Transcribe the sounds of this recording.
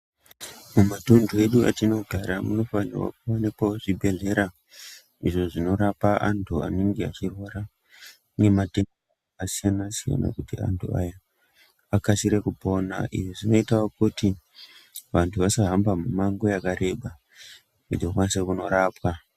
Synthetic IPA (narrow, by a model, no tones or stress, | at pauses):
mumatondʱoe̞ɗua̰tino̞ɡʱaɾamuno̞fanḭrwa̰k̚uonepooʐibʱe̞ɮe̞ɾa | iʐo̞ʐino̞ɾapaʔantʰua̰neŋɡea̰t͡ʃirwoɾa | ne̞mate̞ŋɡo | kasijanasija̰na̰kutia̰ntʰua̰ja | akasiɾekupo̞na̰ḭʐiʐino̞itawokuti | ʋantʰuʋasaɦambamumaŋɡo̞jakaɾe̞ɓa | udokwansekuno̞ɾaːpwa